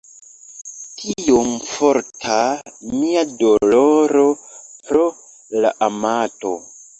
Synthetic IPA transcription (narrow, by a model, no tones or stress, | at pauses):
tʰijomfoɾtʰamiadoloɾopɾo | la̰ʔamato